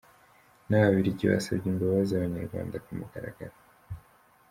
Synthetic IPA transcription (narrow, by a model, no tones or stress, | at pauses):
nawaβiɾiɟiwa̰saβɟimboβazaβaɲaɾɡwa̰ːnd̪akumukaɾa̰ɡaɾa